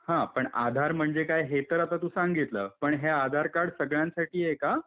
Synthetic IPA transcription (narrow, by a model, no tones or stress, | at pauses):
hãpəɳad̪ʱaɾm̤əɳd͡zekajɦet̪əɾat̪at̪usaŋɡit̪lə̰ːpəɳɦead̪ʱaɾkaɽsəɡɭjãnsaʈʰiːjeka